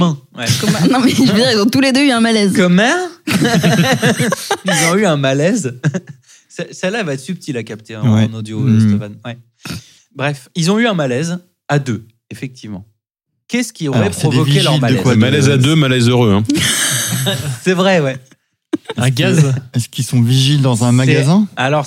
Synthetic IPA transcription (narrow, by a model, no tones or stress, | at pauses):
mɛ̃wɛkɔɛnɔ̃mɛʒəvəd̪iʁilzɔ̃t̪uled̪øyɛ̃malɛzkɔmɛʁ | ilzɔ̃yɛ̃malɛz | sɛsɛlːavaɛt̪syp̚t̪ʰilakapt̪eɑ̃nod̪jostɔfanwɛ | bʁɛfilzɔ̃yɛ̃malɛz | ad̪ø | efɛk̚t̪ʰivmɑ̃ | kʲɛsə̥kʲiɔʁɛpχɔdɔvkeʒlœʁmalɛwamalɛzad̪ømalɛzøʁøɛ̃ | sɛvʁɛwɛ | ɛ̃ɡazɛskilsɔ̃viʒild̪ɑ̃zɛ̃maɡazɛ̃alɔʁ